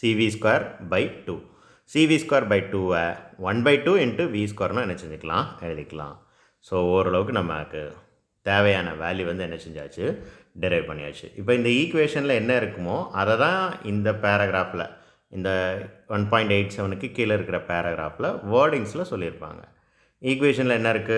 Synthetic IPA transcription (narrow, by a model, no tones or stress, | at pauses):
siːʋiskʋaːɾbɐɪʈuː | siːʋiːskwaːɾbɐɪʈuːʋeʋɐnbɐɪʈuːɛɳʈːɯʋiːskwaːɾnʊ̃ɛnːɐt͡ʃɛɲd͡ʒɪkːɐlã̰ːɛɻɯðɪkːɐlã̰ː | soːoɾɐɭɐʋɯkːɯnɐmːɐkːɯ̰ | t̪eːʋɐjaːnɐ̰ʋaːljiʋɐnd̪ɯɛnːɐt͡ʃɛɲd͡ʒa̰ːt͡ʃːɯ | ɖɪɾɐɪʋpɐɳːɪja̰ːt͡ʃːɯ̰ʔɪpːoːɪnd̪ɐiːkʋeːʂɐnɪlɐɛnːɐɪɾɯkːɯmoːʔɐðɛt̪ãːɪnd̪ɐpeːɾɐɡɾaːfɪlɐ̰ | ɪnd̪ɐʋɐnpaːɪ̃ɳʈeɪʈsɐʋɐnɯkːɯkiːlɐɪɾɯkːɪɾɐpeːɾɐɡɾa̰ːfɪlɐʋɐːɾɖɪŋslɐsɔlːɪɾɯpːa̰ːŋɡɐ | iːkʋeːʂɐnɪlɛnːɐɪɾɯkːɯ